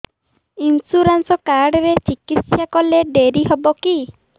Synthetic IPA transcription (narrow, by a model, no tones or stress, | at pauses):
insuɾansɔkaɾɖɔɾet͡ʃikit̪sjakɔleɖeɾiɦɔbɔki